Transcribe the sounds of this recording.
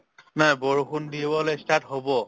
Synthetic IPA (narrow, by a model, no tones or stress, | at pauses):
najboɹuxundibɔlojstatɦobɔ